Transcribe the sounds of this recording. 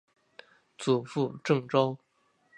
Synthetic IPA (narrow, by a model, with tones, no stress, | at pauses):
t͡su˨˩fu˥˧ʈ͡ʂɤ˥˩ŋʈ͡ʂo˥ʊ